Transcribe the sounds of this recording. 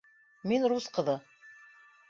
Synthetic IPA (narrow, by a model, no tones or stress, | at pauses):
minɾusqɤ̆ðɤ